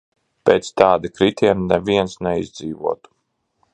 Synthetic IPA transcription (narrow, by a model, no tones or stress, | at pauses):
pḛːt̪st̪ɑːd̪akɾit̪ʲiɛnnɛviɛnsnɛizʲd̪ziːvuɔt̪u̥